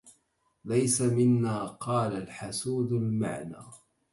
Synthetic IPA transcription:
lajsamɪnːaːqɑːlalħasuːd̪alma̰ʕna̰ː

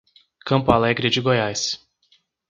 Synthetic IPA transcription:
kɐ̃mpʊalɛɡɾɪd͡ʒɪɡojajs

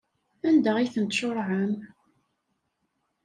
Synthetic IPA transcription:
ænd̪əʁiθənt̪ʃʊɾˤʕəm

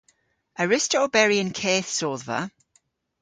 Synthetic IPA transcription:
əɹɪstɔːbɛɹiə̃nkʰɛːθsɔːðvə̰

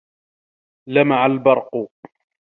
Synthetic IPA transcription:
lamaʕalbɑɾˤqʊ

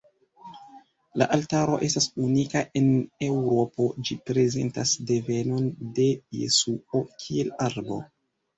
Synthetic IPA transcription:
la̰ʔaltaɾo̞̰ʔe̞stasunikaʔe̞ne̞wɾo̞po̞d͡ʒipɾe̞ze̞̰ntasde̞ve̞no̞nde̞jḛsuo̞kʰie̞laɾbo̞̰

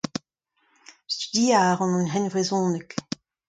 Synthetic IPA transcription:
styd̪iaːʁɑ̃nɑ̃nɦɛnvʁezɔ̃ːnək

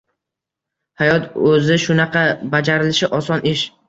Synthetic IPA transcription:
hajɒt̪ʰɵzɪʃʊnɑqʰɑbad͡ʒaɾɪlɪʃɪʔɒsɒnɪʃ

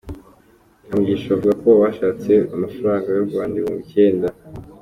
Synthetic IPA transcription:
amuɟiːʃaβavuɡako̞waʃaːt͡se̞amafaɾaːŋɡajoɾɡwaːndiwṵmuce̞ːnda

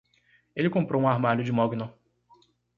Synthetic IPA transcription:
elɪkõmpɾowũaɾmalʊd͡ʒɪmɔɡno

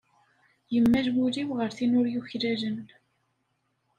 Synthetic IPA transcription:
jəmːæʒɡʷuliwʁəɾθinʊɾjuçɾælən

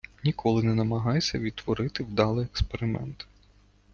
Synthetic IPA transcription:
nʲikʰɔlˠɪnɛnɐmɐɦɑjsʲɐʋʲid̪̚t̪ʋɔɾɪt̪ɪwd̪ɑlˠɪjekspeɾɪmɛ̰nt̪

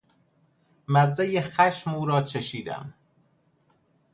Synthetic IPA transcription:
mæzːæjexæʃmuːɾɒːt͡ʃʰeʃiːd̪æ̰m

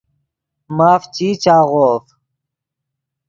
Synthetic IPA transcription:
maːft͡ɕiːt͡ɕaːɣoːf

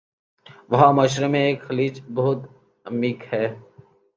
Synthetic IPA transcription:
ʋɐɦãmɐːʃɾemẽeːkxɐliːt͡ʃbɐɦʊt̪ | ɐmiːkhɛː

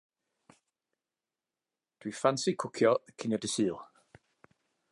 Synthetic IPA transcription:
d̥wifansikʰʊkʰjɔkʰɪnjɔdəsiːlˠ

